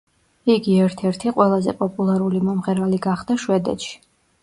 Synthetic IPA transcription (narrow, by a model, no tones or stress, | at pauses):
iɡiɛɾt̪ʰɛɾt̪ʰiqʼwɛlˠazɛ̰pʼɔpʼulˠaɾulimɔmʁɛɾaliɡaχd̪aʃwɛd̪ɛ̰t̪ʃi̥